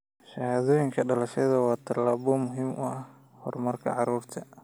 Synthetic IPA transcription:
ʃɐhaːðɔːjɪŋkʰɐɖɐlɐʃɐðɐwɑːt̪ʰɐlaːβɔmʊɦiːmʔʊh | hɔ̰rmɐrkʰɐ̰ʕɑɾuːrt̪ʰɐ

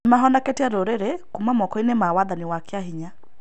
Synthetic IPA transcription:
maɦɔndakɛtiaɾoɾeɾekumamɔkɔinemawaðanɪwakeaɦiɲa

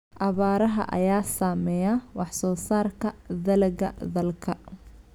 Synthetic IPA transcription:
ʔɑβaːɾɐɦɐ̰ʔɐ̰jaːsaːmɛjawɑħsɔːsaːrkʰɐd̪ɐlɛɡɐ̰d̪ɐlkʰɐ

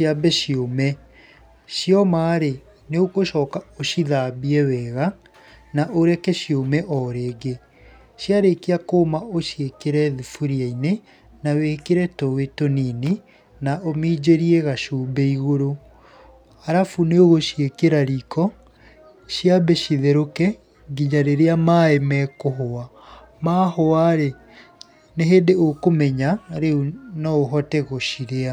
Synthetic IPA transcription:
abɛʃiomɛ | ʃiɔmaːɾe | neokoʃɔːkaoʃiðabiɛwɛːɣa | naʔoɾɛkɛɕiomɛʔɔɾeːɡe | ɕjaɾekeakoːmaoʃjekeɾɛðifuɾiaine | nawekeɾɛtowetonini | naʔomiːd͡ʑeɾieɣaʃuːmbɛiɣoɾo | aɾafuneoɣoʃjekeɾaɾikɔ | ʃiabɛʃiðeɾokɛ | ɡiɲaɾeɾeamaɛmɛkoɦoa | maːhoaɾe | neɦeːdeokomɛɲaɾeunɔoɦɔtɛɣoʃiɾea

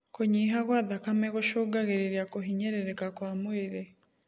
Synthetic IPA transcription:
koɲiːɦaɣwaðakameɣoʃoɡaɣeɾeɾjakoɦiɲeɾeɾekakwaːmweɾe

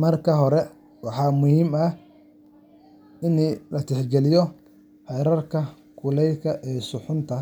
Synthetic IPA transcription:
mɐrkʰɐɦɔɾɛ | wɑħɑːmʊhiːmɐ | ɪnːlɐt̪ʰɛħɡɛlɪjɔ | ħɛjɾɐrkʰɐ | kʰʊlɛjkʰɐʔɛːsʊħʊnt̪ʰɐ

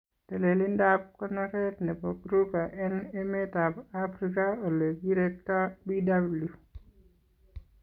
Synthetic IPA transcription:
telelindap̚kɔnaɾɛtnɛpɔɡɾupaʔɛnemetabafɾikaoleɡiɾɛk̚tɔbidabulju

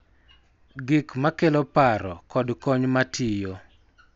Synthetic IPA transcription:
ɡɪkmakelopaɾɔ̰kɔdkɔɲmatʰɪjo

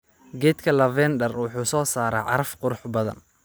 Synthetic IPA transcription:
ɡɛːd̪kʰɐlɐvɛnd̪ɐrwʊħuːsɔːsaːɾɛ̰ːʕɑ̰ɾɐfqʊɾʊħbɐðɐ̰n

